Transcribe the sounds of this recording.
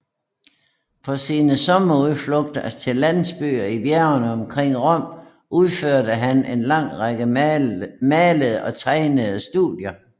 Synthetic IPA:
pʰɒ̽siːnəsɒ̽mɐuðˠflɔ̽ɡ̥d̥ɐt͡sʰe̝lːæn̰sb̥y̰ːɐibjæɐnəɒ̽mkʰʁeŋ̰ʁɔ̽m̰ | ʔuðˠføɐ̰ɾəɦænʔe̝nlɑ̈ŋ̰ʁɑɡ̥ə | mɛːləð̩ˠəɒ̽t͡sʰɑ̈ɪnəð̞̩ˠsd̥ṵðˠjɐ

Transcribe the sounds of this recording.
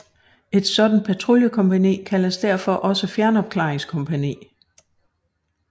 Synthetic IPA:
e̝d̥sɒ̽d̥n̩pʰæt͡sʰʁuljəkʰɒ̽mpænḭːkʰælɐsd̥æɐfɒ̽ʔɒ̽səfjæɐnɒ̽b̥̚kʰlɑ̈ːeŋskʰɔ̽mpʰænḭː

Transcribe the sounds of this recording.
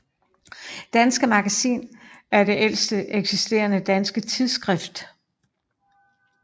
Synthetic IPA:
d̥ænsɡ̥əmɑ̈ɡ̥æsḭːnæɐd̥e̝ʔel̰sd̥əʔeɡ̥sisd̥e̝̰ːɐnəd̥ænsɡ̥ət͡sʰiðˠsɡ̥ʁɛfd̥

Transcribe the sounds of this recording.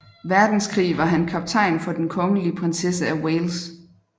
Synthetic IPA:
ʋæɐd̥n̩skʰʁḭːʋɑ̈ɦænkʰɑ̈b̥̚t͡sʰɑ̈ɪ̰nfɒ̽d̥enkʰɒ̽ŋəliəpʰʁensesəæweːls

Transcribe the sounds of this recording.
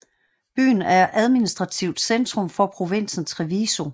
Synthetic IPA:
b̥y̰ːn̩æɐʔæðˠminisd̥ʁɑ̈t͡sʰiʊd̥send̥ʁɔ̽mfɒ̽pʰʁo̝ʋen̰sn̩sʁɛʋiso̝

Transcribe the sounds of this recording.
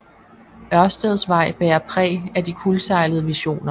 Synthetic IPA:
ɶɐsd̥ɛð̞ˠsʋɑ̈ɪ̰b̥ɛːɐpʰʁɛ̰ːæd̥ikʰulsɑ̈ɪləðˠəʋiɕo̝̰ːnɐ

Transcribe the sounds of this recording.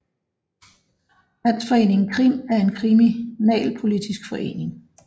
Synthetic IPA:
læn̰sfɒ̽e̝̰ːne̝ŋn̩kʰʁimæɐe̝nkʰʁiminɛ̰ːlpʰo̝lid̥isɡ̥fɒ̽ʔe̝̰ːne̝ŋ

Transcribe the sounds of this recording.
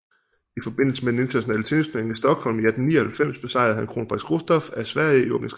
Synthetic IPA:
ifɒ̽b̥e̝n̰l̩səmed̥ene̝nt͡sʰɐnæɕonɛ̰ːlət͡sʰenspʰeŋ̩isd̥ɒ̽ɡ̥hɒ̽l̰miæd̥n̩nḭːɐhælfem̰sb̥e̝sɑ̈ɪ̰ð̩ˠhænkʰʁo̝ːnəb̥ʁɑ̥sɡ̥osd̥ɒfæɐsʋæɐ̰jəiɒɡ̥æns

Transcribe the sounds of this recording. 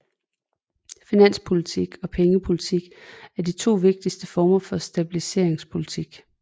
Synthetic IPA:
finæn̰spʰo̝lit͡sʰiɡ̥ɒ̽pʰeŋəpʰo̝lit͡sʰiɡ̥æɐd̥it͡sʰo̝̰ːʋe̝ɡ̥̚d̥isd̥əfɒːmɐfɒ̽sd̥æb̥ilise̝ɐ̰e̝ŋspʰo̝lit͡sʰiɡ̥

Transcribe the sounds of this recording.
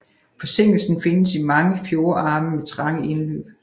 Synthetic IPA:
fɒ̽se̝ŋ̰l̩sn̩fe̝nəsimɑ̈ŋəfjo̝ːɐɑ̈ːməmet͡sʰʁɑ̈ŋəʔe̝nlø̰ːb̥

